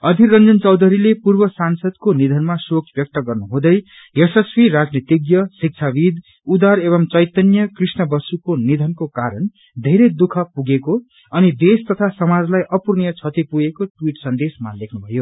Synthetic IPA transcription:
ʌd̪ʱirʌnd͡zʌnt͡sʌwd̪ʱʌɾilepurbʌsansʌd̪konid̪ʱʌnmasokʰbjʌk̚t̪ʌɡʌrnuɦũd̪ʌj | esʌswiɾad͡znit̪iɡjʌsik̚t͡sʰabid̪ | ud̪aɾeβʌmt͡sʌjt̪ʌnjʌkrisnʌbʌsukonid̪ʱʌnkokaɾʌn | d̪ʱeɾejd̪ukʰʌpuɡeko | ʌnid̪est̪ʌt̪ʰasʌmad͡zlajʔʌpurnijʌt͡sʰʌt̪ipuɡekoʈwiʈsʌnd̪esmalekʰnubʱʌjo

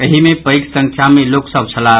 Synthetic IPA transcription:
əɦimepəjksə̃ŋkʰjameloksəb̚t͡ʃʰəla

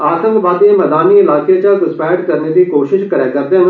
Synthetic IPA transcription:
aːsə̃ŋɡʋaːd̪ẽmɐd̪aːniɪlaːket͡ʃaɡʊspɛːʈkɐɾned̪ikoːʃɪʃkɐɾakɐɾd̪ẽ

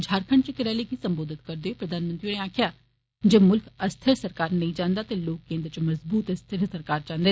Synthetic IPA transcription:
d͡ʒʱaːɾkʰəɳt͡ʃəkɪɾɛːlekisə̃mboːd̪ʱɪt̪kəɾd̪epɾəd̪ʱaːnmə̃nt̪ɾioneaːkʰjaː | d͡ʒemʊlkəst̪ʰəɾsəɾkaːɾnɐɦĩd͡ʒãːnd̪aːt̪eloːkːẽːnd̪ɾt͡ʃmɐzbuːt̪əst̪ʰəɾsəɾkaːɾd͡ʒãːnd̪e

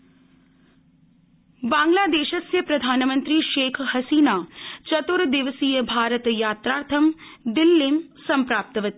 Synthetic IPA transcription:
bãːŋɡlaːd̪eːʃɐsjɐpɾɐd̪ʱaːnmɐnt̪ɾiʃeːkʰhɐsiːnaːt͡ʃɐt̪uɾd̪ɪʋəsiːjəbʱaːɾət̪jaːt̪ɾaːɾt̪ʰɐmd̪ɪlːeːmsɐmpɾaːp̚t̪ɐʋɐt̪i

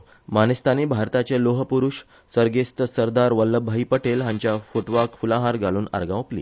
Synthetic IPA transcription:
manəst̪ʰaniːbʱaɾt̪at͡ɕeloɦəpuɾuʂ | səɾɡest̪əsəɾd̪aɾʋəlːəbʱːaiːpəʈelɦãɲt͡ɕjafoʈʋakfulãɦaɾɡaluːna̰ɾɡãwplḭː

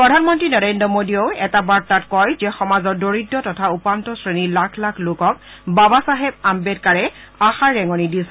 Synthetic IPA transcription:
pɹɔdʱanmɔntɹinɔɹendɹɔmodioʊɛtabaɹtatkɔjzɛxɔmazɔɹdoɹidːɔtɔtʰaupantɔsɹenilakʰlakʰlokɔk̚ | babasaɦɛb̚ambed̚kaɹɛ | axaɹːɛŋɔnidisɛ

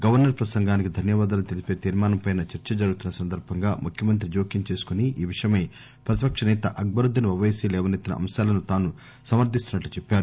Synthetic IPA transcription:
ɡɐʋɐɾnɐɾpɾɐsɐŋɡaːnikid̪ʱɐnjɐʋaːd̪aːnut̪elipe̞ːt̪iːɾmaːnɐmpɐjnɐt͡ʃɐɾt͡ʃɐd͡ʒɐɾuɡut̪unːɐsɐnd̪ɐɾbʱɐŋɡaːmukʰjɐmɐnt̪̬ɾid͡ʒo̞ːkiɲt͡ʃe̞ːsu̥kuniiːʋiʂɐjɐmɐː | pɾɐt̪̬i̥pɐkʂɐnɛːt̪ɐʔɐɡ̚bɐɾud̪ʱːɐniʋɐʋeːsiːlɛːʋɐnet̪ːinɐ̰ʔɐ̰mʃaːlɐnut̪aːnu | sɐmɐɾd̪ʱist̪unːɐʈlut͡ʃepːaːɾu

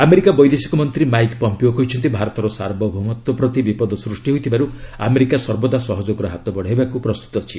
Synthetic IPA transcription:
ameɾikabɔjd̪esi̥kɔmɔnt̪ɾimajkpɔmpiokɔɦit͡ʃʰɔnt̪ibʱaɾɔt̪ɔɾɔsa̰ɾbɔbʱumɔt̪wɔpɾɔt̪ibipɔd̪ɔsɾusʈiɦojt̪ʰibaɾua̰meɾikasɔɾbɔd̪asɔɦɔd͡ʒoɡɔɾɔɦat̪ɔbɔɽ̤ajbakupɾɔst̪u̥t̪ɔt͡ʃʰi

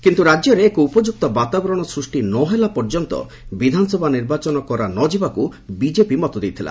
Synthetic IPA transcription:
kint̪uɾajɔɾeekuupɔd͡ʒuk̚t̪ɔbat̪abɔɾɔɽ̃ɔsɾusʈinɔɦelapɔɾd͡ʒɔnt̪ɔ̰ | bid̪ʱansɔbʱaniɾbat͡ʃɔnɔkɔɾanɔd͡ʒibakubid͡ʒepimɔt̪od̪ijt̪ʰila̰

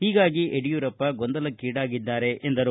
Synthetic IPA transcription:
hiːɡaːɡiʔeɽijuːɾɐpːɐɡond̪ɐlɐkiːɽaːɡid̪ːaːɾe̞ʔʔend̪ɐɾu

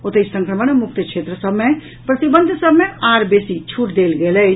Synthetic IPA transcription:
ot̪esə̃ŋkɾəmənemuk̚t̪əkʰʃʰet̪ɾəsəbʱmẽ | pɾət̪ibənd̪ʱsəbʱmẽaːɾbesit͡ʃʰuʈd̪elɡelə

